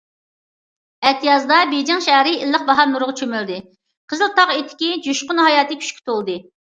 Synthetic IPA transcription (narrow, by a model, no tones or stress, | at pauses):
æt̪ʰijɑzd̪ɑbed͡ʒɛŋʃæɦɾɪilːəq̚bɑɦɑɾnuɾʊʁt͡ʃʰømøɾd̪ɪ | qʰəzɨlˠt̪ɑʁet̪ʰɪ̥kʲid͡ʒuʃqʊnɦɑjɑːt̪ɨkʲʰy̥ʃkʲʰi̥t̪ʰolˠd̪ɨ